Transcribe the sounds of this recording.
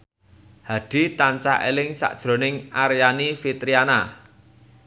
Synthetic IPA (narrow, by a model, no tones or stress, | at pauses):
had̪̥i̤t̪ant͡ʃaḛlɪŋsa̰ʔd̥ʒ̥ɾo̤nɪŋaɾjanifit̪ɾiana